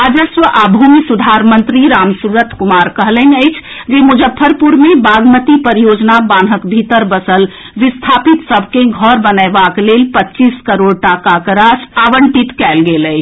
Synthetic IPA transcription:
əd͡ʒəsʋəʔabʱumisud̪ʱaɾmənt̪ɾiɾamsuɾət̪ʰkumaɾkəɦlənəɪt͡ʃʰ | d͡ʒemud͡ʒəpʰːəɾpuɾmebaɡmət̪ipəɾijod͡ʒnabanɦəkbʱit̪əɾbəsəl | ʋist̪ʰapit̪səbʱkeɡʱɔɾbənəbaklelpətːt͡ʃiskəɾoɽʈakakəɾasaʋəɳʈit̪kɛlɡeləj

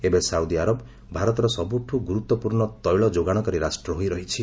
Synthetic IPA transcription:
ebesaud̪iaɾɔb | bʱaɾɔt̪ɔɾɔsɔbuʈʰuɡuɾut̪ːɔpuɾɳɔt̪ɔjɭɔd͡ʒoɡaɽ̃ɔkɔɾiɾasʈɾɔɦojɾɔɦit͡ʃʰi

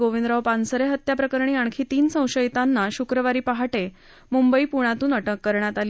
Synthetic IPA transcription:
ɡoʋind̪ɾaʋpansəɾeɦət̪japɾəkəɾɳ̃iːaɳ̃kʰiːt̪iːnsə̃w̃ɕəjt̪anːaɕukɾəʋaɾiːpaɦaʈe | mumbəiːpuɽ̃ãt̪uːnəʈəkːəɾɳjat̪ali

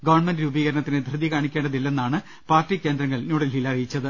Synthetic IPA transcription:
ɡɐʋɐrɳmendɾuːbiːɣɐɾɐɳɐt̪ːinɨd̪ʱrɨðikaːɳikʲːeːɳɖɐðilːe̞nːaːɳɨ | paːrtːikʲːe̞ːnd̪ɾɐŋːɐɭnuːɽɐlilɐrijit͡ɕːɐðɨ

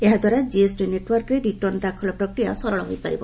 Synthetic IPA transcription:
eɦad̪ʱwaɾad͡ʒiesʈineʈwɔɾkɾeɖiʈɔnd̪akʰɔlɔpɾɔkɾija̰sɔɾɔɭɔɦojpaɾibɔ

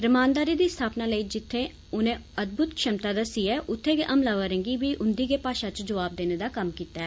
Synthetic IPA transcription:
ɾəmaːnd̪aːɾiːd̪iːst̪ʰaːpnaːləiːd͡ʒɪt̪ʰːẽː | ʊnẽːəd̪̚bʊt̪kʃəmt̪aːd̪əsiːɛːʔʊt̪ʰːeːkiʔəmlaːʋəɾə̃ŋɡiːʋiːʔʊnd̪iːɡeːpaːʃãːt͡ʃd͡ʒəʋaːb̚d̪eːneːd̪aːkəmkiːt̪ɛː

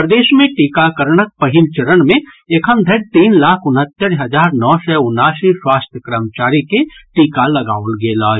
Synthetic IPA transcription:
pɾəd̪eːʃmẽʈiːkakəɾɳək̚pəɦɪlt͡ʃəɾənmẽ | ekʰəmd̪ʱəɽt̪iːnlaːkʰʊnɦət̪ːəɾɦəd͡ʒaːɾnɔːsɛʊnːaːsiswaːst̪ʰjəkɾəmt͡ʃaːɾikeʈiːkalɐɡa̰ːʊlɡelaːd͡ʒ

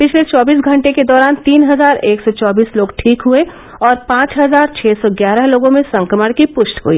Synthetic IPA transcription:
pɪt͡ʃʰlet͡ʃɔːbiːs̬ɡʱɐ̃ɳʈeked̪ɔːɾaːnt̪iːnɦɐzaːɾeːksɔt͡ʃɔːbiːsloːɡʈʰiːkɦue | ɔːɾpãːt͡ʃɦɐzaːɾt͡ʃʰɛːsɔɡjaːɾəɦloːɡõmẽsɐ̃ŋkəməɽ̃kipʊʃʈɦṵḭː

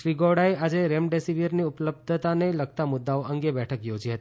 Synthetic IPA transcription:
ʃɾiɡɔɽaead͡ʒeɾemɖesiʋəɾniʊpləb̚d̪ʱət̪aneləɡt̪amʊd̪ːaoəŋɡebɛʈʰəkjod͡ʒiɦət̪i

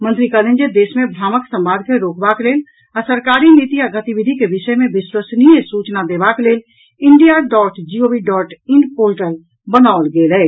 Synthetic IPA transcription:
mə̃nt̪ɾikəlẽnd͡ʒed̪esmebʱɾaːməksəmbaɾkeɾoːkbakleːl | asəɾkaɾinit̪iaɡət̪ibid̪ʱikebisəjmebiswəsniesut͡ʃnad̪ebakleːl | iɳɖijaɖɔːʈd͡ʒiobiɖɔːʈiɳɖpoɾʈəl | bənaʋəlɡelɛː

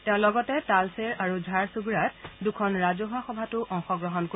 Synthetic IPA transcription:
teʊ̃lɔɡɔtɛtalseɹaɹuzʱaɹsuɡuɹat̚dukʰɔnɹazɔɦaxɔbʱatʊʔɔŋxɔɡɹɔɦɔnko

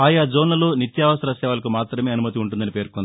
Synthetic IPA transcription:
aːjaːd͡ʒoːnlɐloːnit̪jaːʋɐsɐɾɐsɛːʋɐlɐkumaːt̪ɾɐme̞ːɐnumɐt̪iuɳʈ̬und̪ɐnipeːɾkond̪

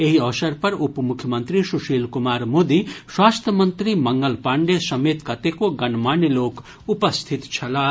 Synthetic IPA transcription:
eɦiʌʋsɐɾpɐɾupmukʰjəmənt̪ɾisuʃiːlkumaːɾmoːd̪iswaːst̪ʰjəmənt̪ɾimɐŋɡəlpaɳɖesɐmet̪kɐt̪ekoɡɐnmaːniloːk | upəst̪ʰit̪t͡ʃʰɐla

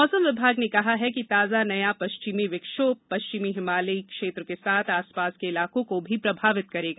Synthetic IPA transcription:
mɔːsəmʋɪbʱaːɡnekɐɦaɦɛkit̪aːzanɐjapɐʃt͡ʃɪmiʋɪkʃoːbpɐʃt͡ʃɪmiɦɪmaːlikʃeːt̪ɾəkesaːt̪ʰaːspaːskeɪlaːkõkobʱipɾɐbʱaːʋɪt̪̚kɐɾeːɡaː

